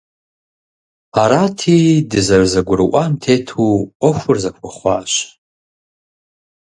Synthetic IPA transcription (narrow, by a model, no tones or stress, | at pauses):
aɾatʰidɨzarzaɡʷʊrʔʷantʰetʰuoxʷʊrzakʷʰaχʷa̰ʃ